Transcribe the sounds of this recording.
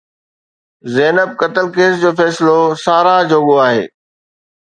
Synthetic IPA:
zɛːnəb̚kɐt̪əlkeːsd͡ʑoːfɛːsɪlosaːɾad͡ʑoːɠoaːɦḛː

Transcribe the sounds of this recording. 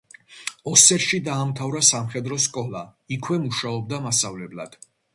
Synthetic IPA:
ɔsɛɾʃid̪aːmt̪ʰavɾasamχɛd̪ɾɔskʼɔlˠaikʰwɛmuʃaɔb̚d̪amasavlɛblˠa̰d̪̥

